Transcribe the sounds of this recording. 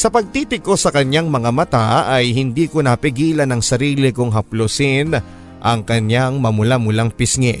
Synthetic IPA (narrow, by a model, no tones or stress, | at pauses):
sɐpɐɡ̚t̪iːt̪ɪɡ̚kːo̞sɐkɐɲjaŋmɐŋamɐt̪aɐjhɪnd̪iːkonɐpɪɡiːlɐnɐŋsɐɾiːlɪkʊŋɦɐplosɪn | ʔɐŋkɐɲjaŋmɐmʊlamʊlaŋpɪsŋɛ